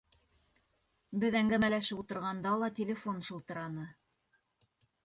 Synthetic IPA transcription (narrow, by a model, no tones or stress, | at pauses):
bɘðæŋɡæmælæʃɘput̪ɤ̆ɾʁɑnd̪ɑlˠɑt̪ʲɪlʲɪfo̞nʃɤ̆lˠt̪ɤ̆ɾɑnɤ